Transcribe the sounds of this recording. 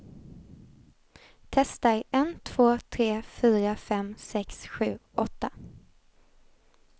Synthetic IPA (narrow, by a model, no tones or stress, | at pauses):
t̪ʰɛst̪ajɛnt̪ʰv̥oːt̪ʰɾeːfyːɾafɛmsɛksɧʉ̟̰ːʔɔt̪ːa